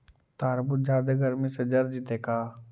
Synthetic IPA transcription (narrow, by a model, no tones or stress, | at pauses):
t̪aːɾbut̪̚d͡ʒaːd̪eɡɐɾmisɐd͡ʒɐɾd͡ʒit̪eːkaː